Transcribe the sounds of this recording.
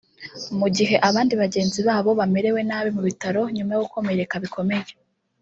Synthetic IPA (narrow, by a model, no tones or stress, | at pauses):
muɟiɦe̞ʔaβaːndiβaɟe̞ːnziβaːβo̞βame̞ɾe̞we̞naβimuβitaɾo̞ɲumajoɡukʰo̞me̞ɾe̞kaβikʰo̞me̞je